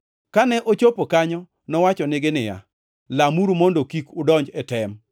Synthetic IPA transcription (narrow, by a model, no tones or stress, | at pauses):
kanɛʔot͡ʃopokaɲɔ | nɔwat͡ʃɔnɪɡɪnɪja̰ | lamuɾumondokikʊdɔɲd͡ʒɛtɛm